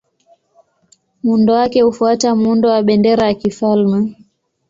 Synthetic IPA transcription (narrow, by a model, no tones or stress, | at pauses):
mundɔwakɛhufuatamundɔwaɓɛndɛɾajakifalmɛ